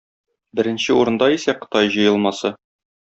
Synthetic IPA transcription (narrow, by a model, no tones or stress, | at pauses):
bɘ̆ɾɘ̆nɕɘuɾɤ̆nd̪ɑisæqɤ̥̆t̪ɑjʑɤ̆jɤ̆lˠmɑsɤ